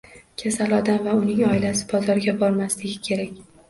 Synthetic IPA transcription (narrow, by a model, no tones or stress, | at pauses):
kʲʰasalɒd̪amvaʊnɪŋɒɪlasɪ̥bɒzɒɾɡʲabɒɾmaslɪɡʲɪkʲʰe̞ɾakʲ